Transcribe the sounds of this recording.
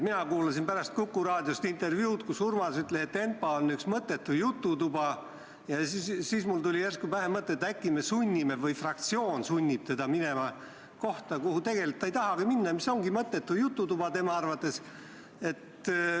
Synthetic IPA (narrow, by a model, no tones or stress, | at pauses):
minɑkuːlɑsinpæɾɑst̪̚kukːˑuɾɑːd̪̥ʲjost̪int̪e̞rvjuːt̪kusurmɑsyt̪ˑleset̪ːe̞npɑonːyksmɤt̪ːˑe̞t̪ːujut̪ˑːut̪ub̥ɑ | jɑsisiːsmult̪ulʲierskuvæɦemɤt̪ːˑeːt̪ːækːˑimesunʲːimevɤjfrɑkt̪sio̞ːnsunʲːib̥̚t̪e̞d̪̥ɑminemɑ | ko̞ht̪ɑkuhut̪e̞ɡ̥e̞likt̪ːejt̪ɑɦɑɡ̥eminːɑmiso̞ŋɡ̥imɤt̪ːe̞t̪ːujut̪ˑːut̪ub̥ɑt̪e̞mɑɑrvɑt̪ːˑe̞s | e̞t̪